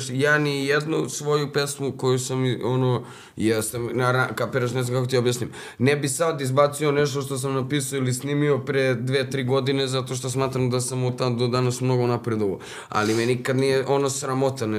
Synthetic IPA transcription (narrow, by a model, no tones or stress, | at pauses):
ʃjaːnijed̪nusʋo̞jupesmuko̞jusamiono | jest̪emnaɾakapeɾaʃnɛzamkakot̪iobjasnim | nɛbisad̪izbat̪sionɛʃt̪oʃt̪os̬amnapisujoilisnimiopɾed̪ʋeːt̪ɾiːɡo̞d̪inezat̪o̞ʃ̬t̪osmaːt̪ɾamd̪asamot̪ad̪od̪anasmno̞ɡonapɾed̪oʋo | a̰limɛnikad̪nijeʔo̞nosɾamot̪an